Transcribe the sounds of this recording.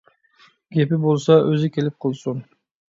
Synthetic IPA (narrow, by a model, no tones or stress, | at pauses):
ɡ̥ʲepɪbolˠsɑʔøzɪkʲelɪp̚qʰəlˠsun